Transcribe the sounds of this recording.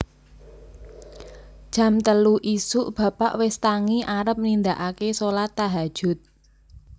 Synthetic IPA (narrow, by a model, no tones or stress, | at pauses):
d̥ʒ̥ä̤mt̪əluʔisuʔb̥a̤paʔwɪst̪aŋiʔaɾəp̚nind̪aʔakesolat̪ːaɦḁʒ̥ʊ̤t̪̚